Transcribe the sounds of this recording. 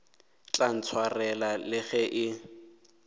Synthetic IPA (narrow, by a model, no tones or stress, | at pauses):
t͡ɬʼan̩t͡sʰwarɛlalɪɣɛʔɪ